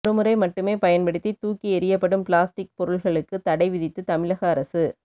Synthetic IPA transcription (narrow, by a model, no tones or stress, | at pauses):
ɾɯmɯɾɐɪmɐʈːɯmeːpɐjɐnpɐɽɪt̪ːit̪uːkːiɛɾɪjɐpːɐɽɯmpɭaːsʈɪk̚pɔɾɯɭɣɐɭɯkːɯt̪ɐɽɐɪʋɪðɪt̪ːɯt̪ɐmɪlɐɣɐːɾɐsɯ